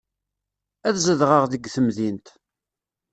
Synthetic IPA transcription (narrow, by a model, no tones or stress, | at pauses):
æθzəðʁəʁðəɡθəmðint̪